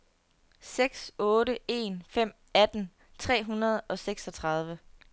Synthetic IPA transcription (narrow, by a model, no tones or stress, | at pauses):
seɡ̥sɔ̽ːɾəe̝̰ːnfem̰ | æd̥n̩ | t͡sʰʁɛ̰ːɦunɐð̞ˠɒ̽seɡ̥sɒ̽t͡sʰʁɑ̈ð̞ˠʋə